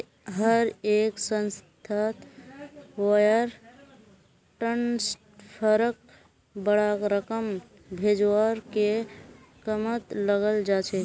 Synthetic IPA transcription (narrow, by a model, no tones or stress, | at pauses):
ɦəɾeksə̃nst̪ʰat̪ | wəjəɾ | ʈəns | pʰəɾək̚ | bəɽakɾəkəm | bʱed͡ʒwaɾke | kəmət̪ləɡəld͡ʒat͡ʃʰɛ